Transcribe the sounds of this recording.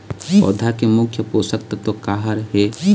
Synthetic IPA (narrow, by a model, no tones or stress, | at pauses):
ɔ̰ːd̪ʱakemʊkʰjəpoːsək̚t̪t̪okaːɦəɾɦe